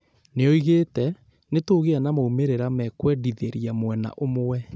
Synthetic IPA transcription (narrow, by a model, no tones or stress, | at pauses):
neɔiɣetɛ | netoɣeanamoumeɾeɾamɛkwɛdiðeɾiamwɛna̰ʔomowɛ